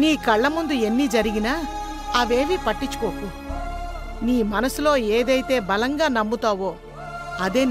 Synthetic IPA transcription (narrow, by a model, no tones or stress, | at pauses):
niːkɐɭːɐmund̪ue̞nːiːd͡ʒɐɾiɡinaː | ɐʋeːmipɐʈːit͡ʃːu̥koːku | niːmɐnɐsulo̞ːeːd̪ɐjit̪e̞ːbɐlɐŋɡaːnɐmːut̪aːʋo̞ː | ɐd̪e̞ː